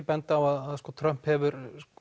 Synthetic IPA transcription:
pɛnt̪aaaðaðskɔːt̪ʰɾœm̥phɛvʏɾ

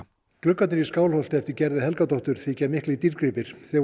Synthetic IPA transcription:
klʏkːat̪ɪɾiskaːwlhɔwl̥t̪ɛft̪ɪɾcɛɾðɪhɛlkat̪ɔwht̪ʏɾ̥θicɛːmɪhklit̪iɾkɾɪpɪɾ̥θɛ

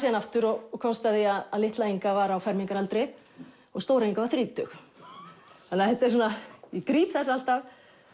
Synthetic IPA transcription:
sianaft̪ʏɾɔɣɔkʰɔnst̪aðɪaðaðlɪht̪lajiŋkavaɾawfɛɾmiŋkaɾalt̪ɾe | ɔɣst̪owɾajiŋkavaɾθɾiːt̪ʏ̰x | θanːahɛht̪ːaɛsunajɛkɾiːpθɛs̬aalt̪av

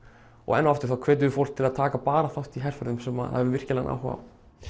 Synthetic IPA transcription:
ɔ̰ɣɛ̰nːaft̪ɪɾ̥θawkʰv̥ɛːt̪ʏðɪfowlk̚t̪ʰɪlaðt̪ʰaːkapaːɾaθawht̪iɦɛr̥fœɾðʏmsɛma̰ðha̰vɪvɪr̥cɪlana̰wɦɔ̰va̰m

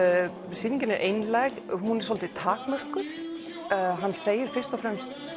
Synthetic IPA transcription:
siːniɲcɪnɪɾʔejnlajɣhunɛ̥ɾsɔlt̪ɪt̪ʰaːkmœr̥kʏɾ̥ | ɦanːseːjɪɾ̥fɪr̥st̪ɔfɾɛmst̪s

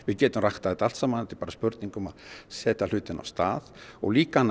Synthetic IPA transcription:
vɪðcɛːt̪ʏmraxt̪aðɛt̪alt̪saːmanɛt̪ɪpaːɾaspʏɾt̪niŋkʏmaðsɛːt̪al̥ʏːt̪ɪna̰wst̪a̰ːðɔ̰ɣliːkan

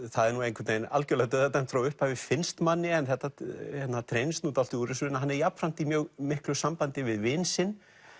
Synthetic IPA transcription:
θaðɛɾnuẽjŋkvɛt̪nejna̰lcœlɛɣat̪œðat̪ɛnfɾawʏhphavɪfɪnst̪manːɪɛnθɛht̪ːahɛt̪nat̪ʰɾejnst̪nuːt̪al̥t̪ɪuːɾɪsʏɪnaɦanːɛɾjapfɾan̥t̪imjœːɣmɪhklʏsampant̪ɪvɪðvɪnsɪn

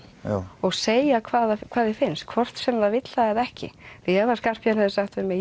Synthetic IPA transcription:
ɔɣseːjakʰvaːðakʰv̥aːðɪfɪnst̪̚kʰvɔr̥t̪sɛmðavɪt̪laɛðɛhcɪ̰fɛvaskar̥pjanɛðɪsaxt̪vɪɾmɛ

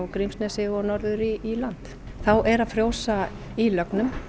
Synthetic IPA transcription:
wkɾimsnɛsɪɣɔnɔɾðʏɾiʔːlant̪ | θawʔɛɾaðfɾjoːwsa | ilœknʏm

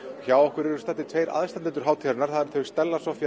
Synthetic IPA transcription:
çaːwɔhkvʏɾɛɾʏ̥st̪aːt̪ːɪt̪ʰvejɾa̰ðst̪ant̪ːɛnt̪ʏɾ̥ɦaːwt̪ʰiɾnaɾ̥θaðɪɾt̪ʰɛvɪ̥st̪ɛlːasɔfj

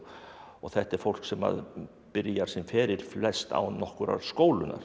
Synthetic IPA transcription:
ɔɣθɛht̪ɛɾ̥fowl̥ksɛma̰ð | pɪɾjaɾ̥sɪmfɛːɾɪɾ̥flɛst̪a̰wnɔhkʏɾa̰ɾskoːwlʏna̰ɾ̥

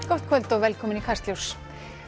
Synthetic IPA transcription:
kɔht̪̚kʰvœlt̪ɔɣvɛlkʰɔːmɪnikʰar̥st̪ljows

